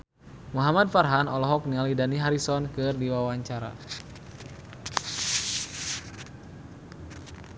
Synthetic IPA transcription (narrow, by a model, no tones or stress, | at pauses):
muɦamad̚farɦanɔlɔɦɔk̚nialidaniɦaɾisɔnkɨrdiwawaɲt͡ʃaɾa̰